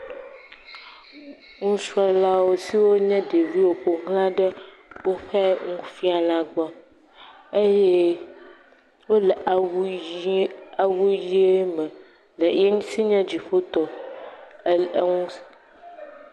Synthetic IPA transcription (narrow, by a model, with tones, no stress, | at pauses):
ŋũ˦su˦a˦la˦wo˦si˦wo˦ɲɛ̃˦ɖe˨vi˦wo˨ɸo˨ŋɦlã˦ɖə˦ | wo˦ɸɛ˦ŋũ˦fi˦a˨lã˨ɡ͡bɔ˦ | e˦jɛ˦ | wo˦lɛ˨ʔ | a˨wu˦ji˦e˦mɛ˨ | le˨je˦ŋũ˦si˦ɲɛ̃˦d͡ʑi˨ɸo˦t̪ɔ˨˦ | ŋũ˦